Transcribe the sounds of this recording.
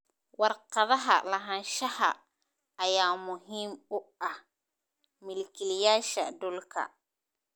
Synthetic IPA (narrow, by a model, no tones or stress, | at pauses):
wɑrqɑðɐɦɐ̰lɐɦɐnʃɐhɐ̰ː | jaːmʊɦiːmʊɐh | mɪlkʰɪlɪjaːʃɐdʊlkʰɐ̰